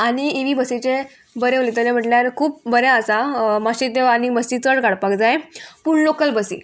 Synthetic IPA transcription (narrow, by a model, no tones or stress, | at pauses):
aɽ̃iiʋibəsit͡ɕe | bəɾeolet̪əlem̤əʈljaɾkʰuːp̚bəɾaəsamaɕit̪eʋanibəsit͡səɽkaɽpakd͡zajepuɳlokəlbəsḭː